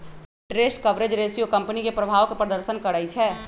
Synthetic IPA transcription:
ʈɾesʈkəʋɾed͡ʒɾesiokəmpənikepɾəbʱaːʋkepɾəd̪əɾsənkəɾəjt͡ʃʰɛ

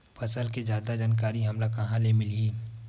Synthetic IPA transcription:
pʰɐsəlkezjaːd̪ad͡ʒaːnkaːɾiɦɐmlakɐɦãlemɪliiː

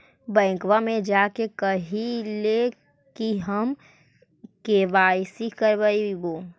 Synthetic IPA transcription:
bɛ̃ːkwamẽd͡ʒaːkekəɦile | kiɦəm | keʋaːjsikəɾbəiboː

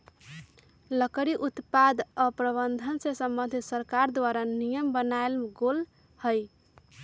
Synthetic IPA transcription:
ləkəɾiʔut̪pad̪əpɾəβənd̪ʱənsẽsəmbənd̪ʱit̪səɾkaɾd̪ʋaɾanijəmbənaelɡol | həj

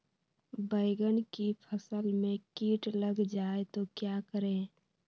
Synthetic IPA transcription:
bəɪɡənkipʰəsəlmẽkiːʈləɡd͡ʒaet̪okjakəɾẽ

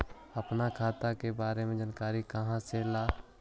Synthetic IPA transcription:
əpnakʰaːt̪akebaːɾemẽd͡ʒənkaːɾikəɦãselaː

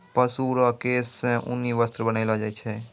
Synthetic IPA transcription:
pəsuːɾakeːsẽʔʊ̰nːiʋəst̪ɾbənaɪlad͡ʒaːit͡ʃʰɛ

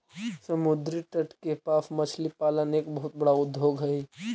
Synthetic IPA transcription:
sɐmʊd̪ɾiʈɐʈkepaːfmɐt͡ʃʰlipaːləneːkbɐɦʊt̪̚bɐɽaʊd̪ʱːoːɡɦɐiː

